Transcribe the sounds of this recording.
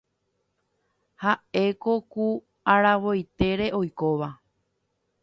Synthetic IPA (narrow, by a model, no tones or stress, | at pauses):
hae̞ko̞ku | aɾaʋo̞jt̪e̞ɾe̞ʔo̞jko̞ʋa